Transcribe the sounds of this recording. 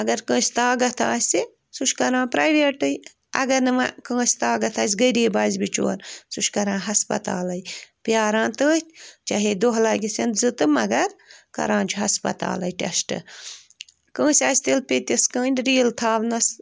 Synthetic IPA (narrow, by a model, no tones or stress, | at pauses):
ɐɡɐɾkə̃ːsʲt̪aːɡɐt̪ʰa̰ːsʲi | suʃkɐɾãːpɾaːjʋeːʈɨj | ɐ̰ɡɐnɨmɐkə̃ːsʲt̪aːɡɐt̪ʰaːs̬ʲɡɐɾiːbaːzbit͡ʃo̰ːɾsuʃkɐɾãːɦɐspɐ̰t̪a̰ːlɐjpjaːɾãːnt̪əːt̪ʲt͡ʃɐɦed̪oɦlaːɡʲisɐnd̪zɨt̪ɨmɐɡɐɾkɐ̰ɾãːd͡ʒʰuɦɐspɐ̰t̪a̰ːlɐjʈʲɐsʈɨ̰ | kə̃ːsʲaːsʲt̪ilpet̪ʲiskə̃ːnʲdɾiːlt̪ʰaːʋnɐs